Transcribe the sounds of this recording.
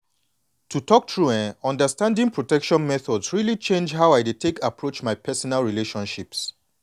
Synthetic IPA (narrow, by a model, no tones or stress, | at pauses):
tʰutʰɔk̚tʰɹuɛ̃nɔ̃ndəstãndĩŋpʰɹotɛkʃɔ̃nmɛθɔdsɹilit͡ʃẽnd͡ʒɦaʊajditʰekapʰɹot͡ʃmajpʰɛsɔnalɹileʃɔ̃nʃips